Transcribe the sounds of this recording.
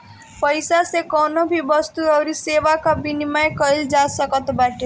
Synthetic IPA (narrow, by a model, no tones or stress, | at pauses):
pəɪsasekɔːnobʱibəst̪uɔːɾiseːʋakabinimajkəɪld͡ʒaːsəkət̪baːʈe